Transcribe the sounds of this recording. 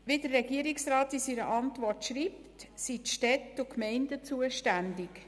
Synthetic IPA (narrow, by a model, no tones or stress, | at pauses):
ʋidərːɛɡiəɾɪksrɑːtisiɾə̰ʔɑntʋɔrtʃriːptsitʃtɛtʊkmɛɪndət͡suəʃtændɪk